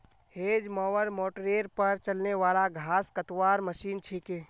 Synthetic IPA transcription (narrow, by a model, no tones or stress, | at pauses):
heːd͡ʒmɔːʋəɾmoːʈɾeːɾpɐɾt͡ʃɐlneʋaːlaɡʱaːskət̪waːɾməʃiːnt͡ʃʰikeː